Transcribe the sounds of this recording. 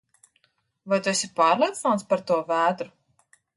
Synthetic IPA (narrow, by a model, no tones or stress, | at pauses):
vajt̪uɛsʲipaːɾlˠiɛt̪snat̪spaɾt̪uɔvæːd̪ɾu